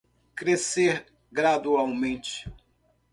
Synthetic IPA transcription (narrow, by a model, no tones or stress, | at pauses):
kɾeseɾ | ɡɾad̪uawmẽnt͡ʃɪ̥